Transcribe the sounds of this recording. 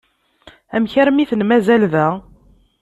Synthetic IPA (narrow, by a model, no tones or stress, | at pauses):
æmçəɾmiθənmæzælðæ